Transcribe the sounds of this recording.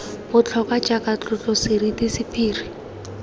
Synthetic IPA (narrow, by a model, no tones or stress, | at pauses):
bʊt͡ɬʰɔkat͡ʃakʼat͡ɬʼʊt͡ɬʼɔsɪridisɪpʰiːri